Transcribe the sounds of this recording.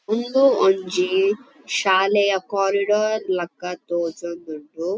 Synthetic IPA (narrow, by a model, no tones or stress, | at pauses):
und̪uoɲd͡ʒi | ʃaːlɛjɐkaːɾiɖoːɾlɐkːɐt̪oːt͡ʃond̪uɳɖu